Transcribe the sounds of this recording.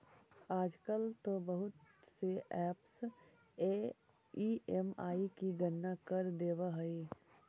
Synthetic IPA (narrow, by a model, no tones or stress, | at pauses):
aːd͡ʒkəlt̪obəɦʊt̪seʔɛːps | eː | iemaːikiɡənːakəɾd̪eːwaɦɐiː